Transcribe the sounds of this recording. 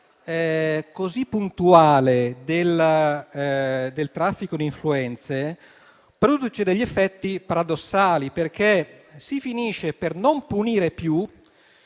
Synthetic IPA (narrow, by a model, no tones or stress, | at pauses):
ɛkozipːunt̪uaːled̪el | d̪elt̪ɾafːikod̪iɱfluɛnt̪se | pɾod̪ut͡ʃed̪eʎːiefːɛt̪ːipaɾad̪osːaːliperk̟esifiniːʃepernompuniːɾepju